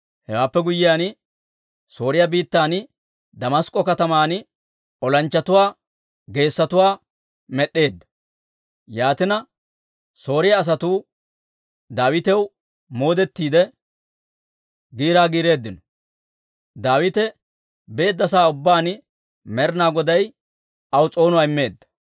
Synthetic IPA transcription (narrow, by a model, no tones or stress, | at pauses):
hɛwaːpːɛɡʊjːɪjaːn | so̞ːɾɪjɐbiːt̪ːaːn | d̪ɐmɐskʼːɔkɐt̪ɐmaːnɪ | ɔlɐnt͡ʃːɐt̪ʊwaː | ɡe̞ːsːɐt̪ʊwaː | mɛɗːe̞ːd̪ːɐ̥ | jaːt̪ɪnɐ | so̞ːɾɪjɐːs̬ɐt̪uː | d̪aːwɪt̪ɛw | mo̞ːd̪ɛt̪ːiːd̪ɛ | ɡiːɾaːɡiːɾe̞ːd̪ːɪnɔ | d̪aːwɪt̪ɛ | be̞ːd̪ːɐsaːʊbːaːn | mɛɾnaːɡɔd̪ɐj | ɐwt͡sʼo̞ːnʊwaːɪmːe̞ːd̪ːɐ̥